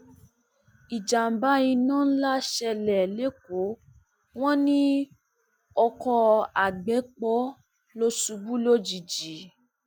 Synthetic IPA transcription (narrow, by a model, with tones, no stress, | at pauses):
i˨d͡ʒa˨m̩˨ba˦jĩ˧nãː˦n̩˦la˦ʃɛ˧lɛ˨le˨˦ko˨˦ | w̃ɔ̃˦nĩ˦ | ɔ˧kɔ˧a˨ɡ͡bɛ˨˦k͡pɔ˦ | lo˦su˧bu˦lo˦d͡ʒi˨d͡ʒi˨˦